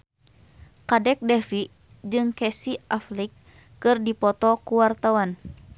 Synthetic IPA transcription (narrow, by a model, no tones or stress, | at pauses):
kadɛk̚dɛfi | d͡ʒɨŋkɛsiʔaflikː | ɨrdipɔt̪ɔkuwart̪awan